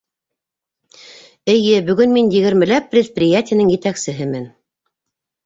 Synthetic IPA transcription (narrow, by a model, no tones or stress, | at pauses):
ɘ̆jɘbɵ̆ɡɵnminjɘ̆ɡɘ̆ɾmɘ̆læpːrʲet̪̚prʲɪjatʲɪjanɘŋjɘ̆t̪æksɘ̆ɦɘmɘn